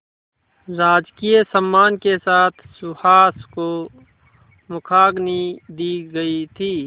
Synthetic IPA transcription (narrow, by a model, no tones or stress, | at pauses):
ɾaːd͡ʒkijəsəmːaːnkesaːt̪ʰsʊhaːsko | mʊkʰaːɡnid̪iɡəit̪ʰiː